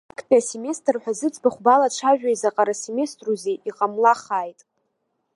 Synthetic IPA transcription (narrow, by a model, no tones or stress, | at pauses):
akʰpʰʼiaseme̞stʰʼrħʷᶣazɨt͡sʰʼbaχʷbalaʈ͡ʂʰaʒᶣaizaqʼaɾaseme̞stʼruzeʔiqʼamlaχaːjtʼ